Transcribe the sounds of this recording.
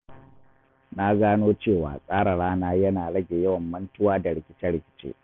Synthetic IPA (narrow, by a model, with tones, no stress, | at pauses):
na˦ɡaː˦noː˦t͡ʃeː˦˨wa̰ː˨sʼaː˦ɽa˨ɽaː˦naː˦jɐ˦naː˨ɽɐ˦ɡʲe˨jɐ˦wɐ˨mːɐ˦ntʊ˦waː˦da˨ɽɪ˨kʲɪ˦t͡ʃɛ˦ɽɪ˨kʲɪ̥˨t͡ʃḛː˦